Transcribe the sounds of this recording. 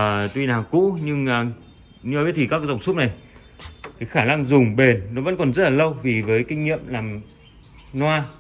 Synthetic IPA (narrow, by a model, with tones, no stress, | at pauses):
t̪wi˧naː˨˩kṵ˧˥ɲɨ˧ŋː˨˩ | ɲɨ˧a˨˩ɓət̪ʰi˨˩aː˦˥kaː˨˦zə˨˩ŋ͡msʊ˦˥p̚na˨˩j | t̪ʰi˨˩xaː˧˩na˧ŋzʊ˨˩ŋ͡mɓe˨˩nːɔ˨˦və̰˧˥nkɔ˨˩nzə˦˥laː˨˩lə˧wvi˨˩vəː˨˦jkï˧ŋ̟ɲḭ˧˨əmlaː˨˩m | nwaː˧